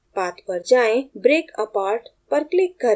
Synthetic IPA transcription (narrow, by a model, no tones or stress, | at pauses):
pat̪ʰʋəɾd͡ʒãẽbɾeːkəpaɾʈpəɾklikːəɾ